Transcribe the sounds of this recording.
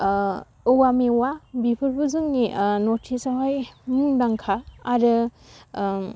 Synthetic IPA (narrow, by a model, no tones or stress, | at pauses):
ɯwamewabipʰɯɾbuzɯŋninotʰisawɦajmɯŋdaŋkʰaːɾɯ